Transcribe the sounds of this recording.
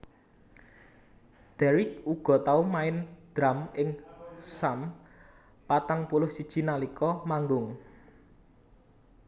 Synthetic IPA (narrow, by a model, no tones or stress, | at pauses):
d̪̥ɛɾɪk̚uɡ̥ɔ̤t̪aumaɪnd̪̥ɾamɪŋsam | pat̪aŋpulʊhsid̥ʒ̥i̤nalikɔmaŋɡʊŋ